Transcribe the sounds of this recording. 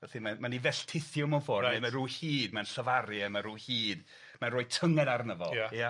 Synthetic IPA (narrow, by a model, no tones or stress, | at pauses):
vɛθimamanivɛɬtʰɪθjɔmɔnfoːrdemaruːhiːdmanɬəvaɾjɛmaruːhiːd̥ | maroːɨtʰəŋɛdarnəvɔ̰lˠja